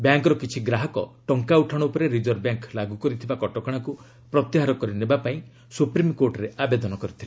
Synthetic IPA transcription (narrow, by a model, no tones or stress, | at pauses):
bjaŋkɔɾɔkit͡ʃʰiɡɾaɦɔkɔʈɔŋkauʈʰɔɽ̃ɔupɔɾeɾid͡ʒɔɾbjaŋklaɡukɔɾit̪ʰibakɔʈɔkɔɽ̃aku | pɾɔt̪jiɦaɾɔkɔɾinebapaĩ | supɾimkoɾʈɔɾeabed̪ɔnɔkɔɾit̪ʰile